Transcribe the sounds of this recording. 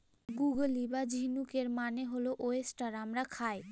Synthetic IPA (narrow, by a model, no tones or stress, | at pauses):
ɡuɡəlibad͡ʑʱinukeɾmaneɦoloʔoesʈaɾamɾakʰaj